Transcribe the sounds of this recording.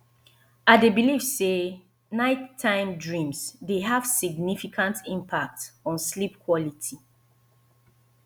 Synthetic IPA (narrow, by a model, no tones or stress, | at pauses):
adebilifse | naɪtʰːãɪ̃mdɹĩmsdeɦav̥siɡnifikʰãntĩmpʰak̚tɔ̃nslipkʰwɔlitʰi